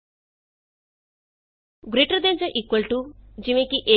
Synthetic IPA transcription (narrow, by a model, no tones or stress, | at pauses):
ɡɾiʈɐɾd̪eɲd͡ʒɐʔikwɐlʈud͡ʒimekiʔe